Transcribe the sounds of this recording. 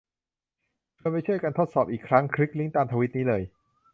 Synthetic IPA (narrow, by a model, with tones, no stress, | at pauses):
t͡ɕʰu˧nma˥˩jt͡ɕʰu˥˩əjkaː˧nt̪ʰo˦˥t̪̚sɔː˨˩p̚ʔiː˨˩kʰɾa˦˥ŋkʰɾi˦˥k̚li˦˥˩ŋt̪aː˧mt̪ʰa˧wi˦˥t̪̚niː˦˥lɤː˧j